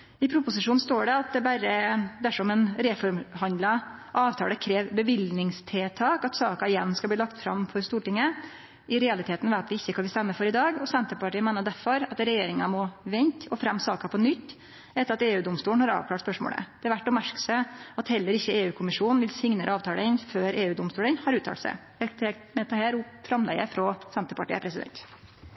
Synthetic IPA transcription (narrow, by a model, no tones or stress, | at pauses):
ɪpʰɾʊpʊsɪʂuːn̩st̪oːɖɛɑt̪̚d̪ɛbæɾəd̪æʂɔmɛnɾɛfɔɾmhɑnd̪lɑʔɑːʋt̪ʰɑ̰ːləkʰɾeːʋbəʋɪlnɪŋst̪ʰeːt̪ʰɑːkɑt̪sɑːkɑɪjɛnːskɑlb̪iːlɑkt̪fɾɑ̰mfɔɾst̪uːʈɪŋːə | ʔɪɾɛɑlɪt̪ʰeːt̪n̩ʋæɪt̪ʋɪɪçːəskʰɑʋɪlst̪ɛmːəfɔɾɪd̪ɑːɡɔsɛnt̪əpɑʈʰiːənmeːnəɖ̪æɾfɔɾɑt̪ɾɛjeːɾɪŋɑmɔʋɛnt̪ɔfɾɛmːsɑ̰ːkɑpʰɔnʏt̪ː | ɛt̪ːəɾɑt̪eːʉːd̪ʊmst̪uːɳn̩hɑɾɑ̰ːʋkʰlɑːʈspœʂmo̰ːlə̰d̥̪ɛɑʋæʈːɔpmæʂkə̥səɑt̪hɛlːəɾɪçːəeːʉːkʰʊmɪʂuːnn̩ʋɪlsɪŋnəɾɑːʋt̪ʰɑːləɪnføːɾeːʉːd̪ʊmst̪uːlənhɑɾʉːt̪ʰɑ̰ːʈ̪sæ̰ɪ | ɛt̪ʰɛ | mɛt̪əhæːɾʊfɾɑmlɛ̰ɡəfɾɔsɛnt̪əpɑʈḭːə̰pʰɾɛsɪd̪ɛ̰nt̪